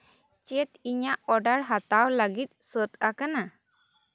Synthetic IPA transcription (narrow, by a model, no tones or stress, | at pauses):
t͡ʃɛt̪iɲaʔɔɖaɽɦat̪awləɡit̪̚sət̪akana